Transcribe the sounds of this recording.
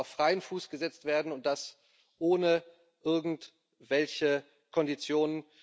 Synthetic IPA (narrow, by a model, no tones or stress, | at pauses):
ʊfʁ̥aɪənfuːsɡ̥əzɛt͡stv̥eːɐdn̩ʊnt̚d̥as | ʔoːnə | ʔɪɐɡŋ̩t | v̥ɛlçə | kʰɔndit͡sjoːnən